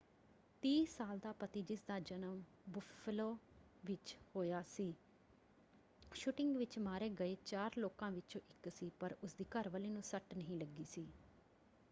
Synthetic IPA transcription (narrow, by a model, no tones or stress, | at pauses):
t̪iːsaːld̪aːpət̪iːd͡ʒɪsd̪aːd͡ʒənəm | bʊfʰloː | ʋɪt͡ʃhoːjaːsiː | ʃʊʈɪŋɡʋɪt͡ʃmaːɾeːɡəeːt͡ʃaːɾloːkãːʋɪt͡ʃõːʔɪksiːpəɾʊsd̪iːkəɾʋəliːnũːsəʈnəɦĩːləɡːiːsiː